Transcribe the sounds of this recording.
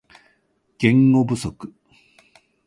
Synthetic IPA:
ɡ̥ẽ̞ŋːobɯ̟sokɯ̥

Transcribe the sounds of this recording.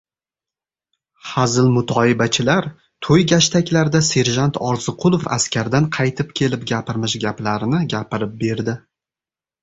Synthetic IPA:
hazɪlmʊt̪ʰɒɪbat͡ʃʰɪlaɾ | t̪ʰojɡʲaʃt̪ʰakʲlaɾd̪ase̞ɾʒant̪ʰɒɾzɪqʰʊlˠofa̰skʲaɾd̪anqʰɑjt̪ʰɪpkʲʰe̞lɪpɡʲapɪɾmɪʃɡʲaplaɾɪnɪɡʲapɪɾɪp̚be̞ɾd̪ɪ

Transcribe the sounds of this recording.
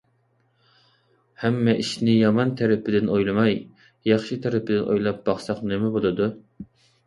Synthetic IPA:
hɛmːɛʔiʃnɪjɑmɑnt̪ʰæɾɪpʰɪd̪ɪnojlˠɨmɑj | jɑχʃit̪ʰæɾɪpɪd̪ɪnʔo̰jlˠɑp̚b̥ɑχsɑqnɪmɛbolˠɨd̪u

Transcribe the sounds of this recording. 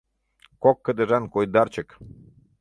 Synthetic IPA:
kokːəd̪əɾankojd̪aɾt͡ʃək

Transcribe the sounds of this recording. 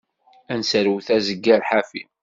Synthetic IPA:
ænsəɾwθæzəɡːæɾħafi

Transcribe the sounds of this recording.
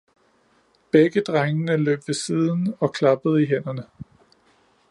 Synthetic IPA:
b̥eɡ̥əd̥ʁaŋənəlø̰ːb̥ʋe̝siːð̞ˠn̩ɒ̽kʰlɑ̈b̥əð̞̩ˠiɦen̰ɐnə

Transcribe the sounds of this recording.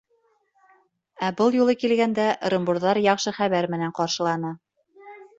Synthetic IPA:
æbɤlˠjulˠɤkilɡænd̪æɾɤ̆mbuɾðɑɾjɑqʃɤχæβæɾmɘ̆næɴqɑɾʃɤ̆lˠɑn̪ɤ

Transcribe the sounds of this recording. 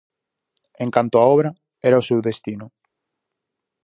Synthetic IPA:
ẽŋkant̪oaɔβɾa | ɛɾaosewðest̪inʊ

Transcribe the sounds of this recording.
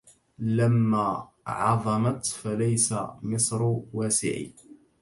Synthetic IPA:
lamːaː | ʕɑðˤɑmat̪falajsamɨsˤɾwaːsɪ̰ʕḭː

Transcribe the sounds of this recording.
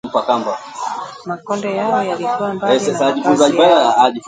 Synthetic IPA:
m̩pakamba | ɔnd | ɛsɛsaʄifunzaʄipanaaʄif

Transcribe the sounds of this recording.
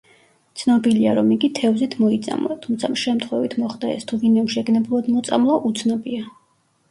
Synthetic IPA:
t̪sʰnɔbiliaɾɔmiɡit̪ʰɛvzit̪ʰmɔit̪sʼa̰mlˠat̪ʰumt̪sʰamʃɛmt̪ʰχwɛvit̪ʰmɔχd̪aɛ̰st̪ʰuvinɛɔmʃɛɡnɛbulˠad̪mɔt̪sʼa̰mlˠaʔut̪sʰnɔbia

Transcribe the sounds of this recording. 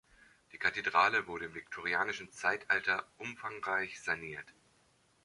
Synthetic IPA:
d̥iːkʰatedʁaːləvʊɐɾəɪmvɪk̚tʰoʁ̞iaːnɪʃn̩t͡saɪtʔaltɐʔʊmfaŋʁaɪçz̥aniːɐt

